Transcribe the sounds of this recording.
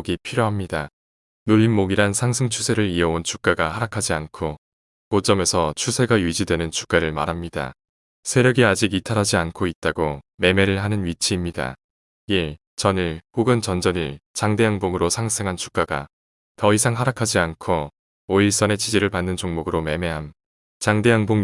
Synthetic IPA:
ɡipʰiɾjoɦamɲida | noʎːinmoɡiɾansʰaŋsʰɯŋt͡ɕʰusʰe̞ɾɯɾiʌont͡ɕʰu̥k͈aɡahaɾakʰad͡ʑiankʰo | kot͡ɕ͈ʌmesʰʌt͡ɕʰusʰe̞ɡajɥid͡ʑidwe̞nɯnt͡ɕʰu̥k͈aɾɯɭma̰ɾɦamɲida̰ | sʰeɾjʌɡiad͡ʑiɡitʰaɾɦad͡ʑiankʰoit̚t͈aɡome̞me̞ɾɯɭɦanɯnɥit͡ɕʰiːmɲida̰ | i | t͡ɕʌniɭkoɡɯnt͡ɕʌnd͡ʑʌniɭt͡ɕaŋde̞jaŋboŋɯɾosʰaŋsʰeŋɦant͡ɕʰu̥k͈aɡa̰ | tʌisʰaŋɦaɾakʰad͡ʑiankʰo | oiɭs͈ʌne̞t͡ɕid͡ʑiɾɯɭpanːɯnt͡ɕoŋmoɡɯɾome̞me̞ɦam | t͡ɕaŋde̞jaŋboŋ

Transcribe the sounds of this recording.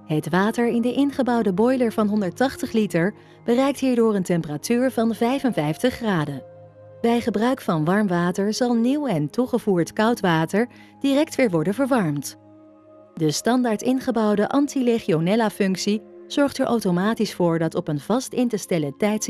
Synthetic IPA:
ɦətʋaːtəɹɪndəʔɪnχəbɑwdəbɔjləɹvɑnɦɔndəɹtɑχtəχlitəɹ | b̥ərɛjk̚tɦiːɹdʊːrəntɛmpəratyːɹvɑnvɛjvənvɛjftəχːraːdə | bɛjχəbrœɥkfɑnʋɑɹmʋaːtəɹzɑlˠniwɛntuχəvuːɹtkʌwtʋaːtəɹ | d̥irɛk̚tʋɪːɹʋɔɹdənvəɹʋɑɹmt | dəstɑndaːɹtɪnχəbɑwdəʔɑntileχionɛlafɵŋksiz̥ɔɹχtəɹʔawtomaːtisfʊːɹdɑtɔpənv̥ɑstɪntəstɛlətɛjts

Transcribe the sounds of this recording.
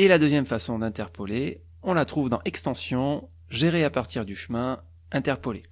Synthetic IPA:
elad̪øzjɛmfasɔ̃d̪ɛ̃t̪ɛʁpɔle | ɔ̃lat̪χuvd̪ɑ̃ʔɛkst̪ɑ̃sjɔ̃ | ʒeʁeapaʁt̪iʁd̪yʃəmɛ̃ | ɛ̃t̪ɛʁpɔle

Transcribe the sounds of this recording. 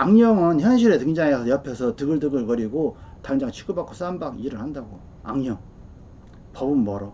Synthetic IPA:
aŋɲʌŋɯnçjʌnɕ̬ʰiɾe̞tɯŋd͡ʑaŋesʰʌjʌpʰjʌsʰʌtɯɡɯɭdɯɡɯɭkʌɾiɡotaŋd͡ʑaŋt͡ɕʰi̥k͈ɯbak͈ʰos͈anbakiɾɯɭhandaɡo | aŋɲʌŋ | pʌbɯnmʌɾʌ

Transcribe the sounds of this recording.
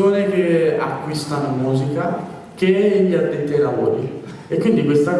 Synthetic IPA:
oːnekea̰kːwist̪anomuːzika | keʎːiad̪ːent̪ɛlavɔ̰ːɾḭ | ekːwind̪ikwest̪a

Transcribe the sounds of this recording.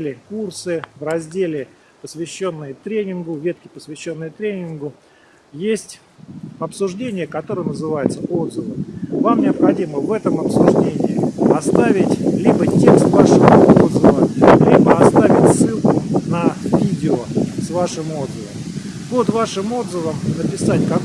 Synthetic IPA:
lʲɪkursɨvrɐzʲdʲelʲɪ | pəsʲvʲɪɕːo̞nːɨjət̪ɾʲenʲɪnɡʊvʲet̪̚kʲɪpəsvʲɪɕːo̞nːɨjət̪ɾʲenʲɪnɡʊ | jesʲtʲ | ɐpsʊʐdʲenʲɪjəkɐt̪o̞ɾəjənəzɨvajʊt̪səʔo̞d̪zəvɨvamnʲɪəpxɐdʲiməvɛt̪əmɐpsʊʐdʲenʲɪːɐst̪avʲɪtʲlʲibətʲe̞kst̪vaʂəvəod̪zəvəlʲibəɐst̪avʲɪtʲsːɨlˠkʊnɐvʲidʲɪosvaʂɨmo̞d̪zəvəm | po̞d̪vaʂɨmo̞d̪zəvəmnəpʲɪsatʲkɐk

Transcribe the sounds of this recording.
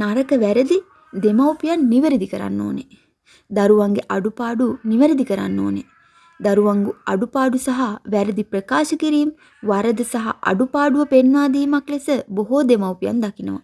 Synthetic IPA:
naɾɐkəʋæɾɐd̪i | d̪emɐwpijɐnːiʋəɾid̪ikɐɾa̰nːo̰ːne | d̪ɐɾuʋaŋɡeʔɐɖupaːɖuniʋəɾid̪ikɐɾa̰nːoːne | d̪ɐɾuʋaŋɡuɐ̰ɖupaːɖusɐɦaʋæɾed̪ipɾɐkaːʃɐkiɾiːm | ʋaɾɐd̪ɐsɐɦɐ̰ʔɐ̰ɖupaːɖuʋɐpenʋaːd̪iːmaklesəboɦod̪emɐwpija̰nd̪ɐkinɐʋɐ̰

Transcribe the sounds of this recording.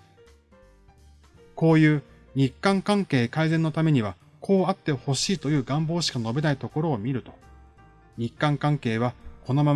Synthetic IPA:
ko̞ːjɯ̟ː | ɲ̟ikːãŋkãŋke̞ːkaizẽ̞nːo̞t̪ame̞ɲ̟iβa | kʰo̞ːat̪ːe̞ho̞ɕiːt̪o̞jɯ̟ːɡãmbo̞ːɕi̥kano̞be̞nait̪o̞ko̞ɾo̞ːmʲiɾɯ̟t̪o̞̥ | ɲ̟ikːãŋkãŋke̞ːβ̞ako̞no̞mam

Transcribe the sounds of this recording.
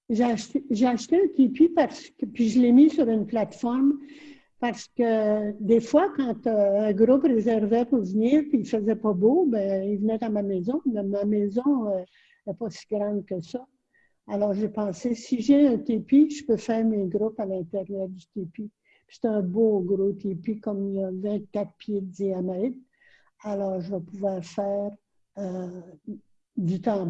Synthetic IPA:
ʒeaʃt̪eʒeaʃt̪eɛ̃t̪epipaʁsə̥kəpiʒəlemisyʁynplat̪fɔʁm | paʁsə̥kʲəd̪efwakɑ̃t̪ø̃ːɡʁuprezɛʁvɛpuʁvniːʁpiilfəzɛpɑbobɛ̃ilvnɛt̪amamɛzɔ̃mɛmamɛzɔ̃ø | ɛpɔsi̥ɡʁɑ̃ːd̪kəsɑ | alɔːʁʒepɑ̃sesiʒɛɛ̃t̪epiʒəpøfɛːʁmeɡʁʊpalɛ̃t̪eʁjœːʁd̪yt̪epi̥ | se̥t̪ɛɛ̃boɡʁot̪epikɔmilavɛ̃t̪̚kʲat̪pʰjed̪d̪iamɛɪt̪ | alɔːʁʒəvɛpuvwɑːʁfɛːʁ | ø | d̪yt̪ɑ̃

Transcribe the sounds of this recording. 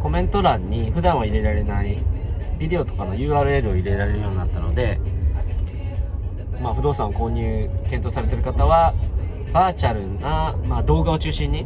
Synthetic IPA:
ko̞mẽ̞nt̪o̞ɾãɲ̟ːiɸɯ̟d̪ãɰ̃βaiɾe̞ɾaɾe̞naibʲid̪e̞o̞t̪o̞̥kanojɯ̟ːaːɾɯ̟eːɾɯoiɾe̞ɾaɾe̞ɾɯ̟jo̞ɲinat̪ːano̞̰d̪e̞ | maːɸɯd̪o̞ːsãɰ̃ako̞ːɲ̟ɨːkent̪o̞ːsaɾe̞t̪e̞ɾɯ̟kat̪aβa | baːt͡ɕaɾɯ̟namaːd̪o̞ːɡao̞t͡ɕɨːɕĩɲ̟ːi

